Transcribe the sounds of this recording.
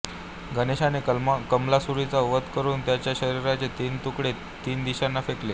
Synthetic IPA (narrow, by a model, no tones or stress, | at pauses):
ɡəneɕanekəmlasuɾit͡saʋət̪kəɾuːnt̪jat͡ɕjaɕəɾiɾat͡set̪iːnt̪ukɽe | t̪iːnd̪iɕanːafekle